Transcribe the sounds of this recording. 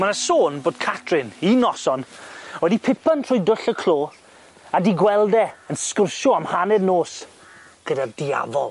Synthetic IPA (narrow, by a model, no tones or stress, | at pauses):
manasoːnboːd̚kʰatʰrɪninɔsɔnwɛdipʰɪpʰantʰr̥ʊːjdʊɬəkʰl̥oː | adiɡwɛlˠdɛənskʊrʃɔamhanɛdnoːs | ɡ̥ədadia̰vɔlˠ